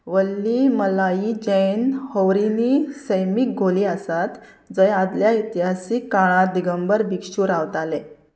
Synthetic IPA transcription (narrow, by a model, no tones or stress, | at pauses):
ʋəlːiːməlaid͡ʑenhowɾinisəjmik̚ɡʱoliːəsat̪ | d͡zəjad̪ljait̪iɦasikːaɭ̃ãd̪iɡəmbəɾbikɕuːɾaʋt̪ale